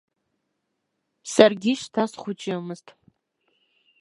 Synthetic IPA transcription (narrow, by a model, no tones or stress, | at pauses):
sarɡʲiʃtʰasχʷʊt͡ʃʼamɨztʼ